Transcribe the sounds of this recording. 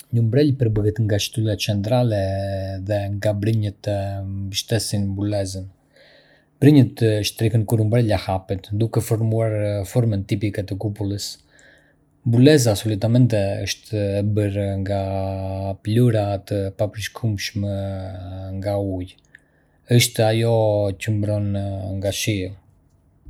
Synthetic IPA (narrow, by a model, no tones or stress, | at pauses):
ɲəmbɾɛlpəɾbəɡɛt̪ŋɡaʃt̪ulat͡ʃɛnt̪ɾalɛðɛŋɡabɾiɲət̪əmbəʃt̪ɛsinmbulɛzən | bɾiɲət̪ːʃt̪ɾihənkuɾumbɾɛlahapɛt̪d̪ukɛfɔɾmuaɾfɔɾmɛnt̪ipikɛt̪əkupulˠəs | bulɛzasɔlit̪amɛnt̪ɛə̰ʃt̪ːbəɾŋɡa | pluɾat̪əpapɾiʃkʰumʃmɛ | ŋɡauj | əʃt̪ajɔcəmbɾɔnŋɡaʃi